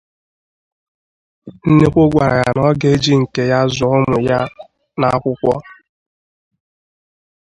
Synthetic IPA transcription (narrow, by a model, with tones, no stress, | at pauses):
n̩˦ne˦kʷo˦ɡʷa˨ɾa˨ja̰˨nɔ˦ɡe˦d͡ʒi˦ŋ̩˨ke˨ja˦zʊ˨ɔ˦mʊ˨ja˦ | na˨a˦kʷʊ˦kʷɔ˦